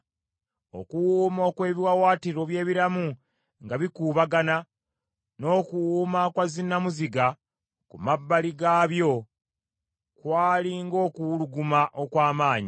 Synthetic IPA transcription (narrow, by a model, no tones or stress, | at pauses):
o̰kuwuːmo̞ːkwe̞ːβiwawaːtiɾo̞βje̞ːβiɾamu | ŋɡaβikuːβaɡana | no̞ːkuwumakwazinːamuziɡa | kumabːaliɡaːβjo̞ | kwaːliŋɡo̞ːkuwuluɡumaʔo̞kwaːmaːɲi